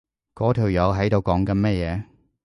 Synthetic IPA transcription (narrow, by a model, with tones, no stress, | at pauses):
kɔː˨˥t̪ʰiː˨˩wjɐ˨˧wɦɐ˨˥jt̪o˨˧wkɔː˨˥ŋkɐ˧nmɛ˥jɛː˨˧